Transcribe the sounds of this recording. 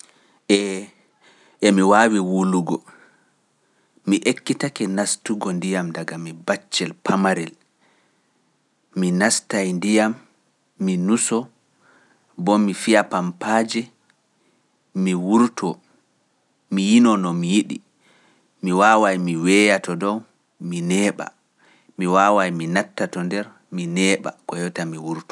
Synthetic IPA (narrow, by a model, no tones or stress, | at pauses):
ʔɛ | ʔɛmiwaːwiwuluɡɔ | miʔekːitakɛnastuɡɔndijamdaɡamibat͡ʃːɛlpʰamaɾɛl | minastajndijamː | inusɔ | bɔmifijapampaːd͡ʒɛ | miwuɾtʰɔ | mijinɔnɔmijiɗḭ | miwaːwajmiwɛjatɔdɔw | minɛːɓa̰ | miwawajminatːatɔndɛɾ | minɛːɓa̰kɔjɔtamiwuɾtɔ̥